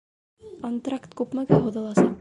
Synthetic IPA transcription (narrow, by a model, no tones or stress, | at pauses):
kont̪rakt̪kʉpmækæɦuðɤ̆lˠɑsɑq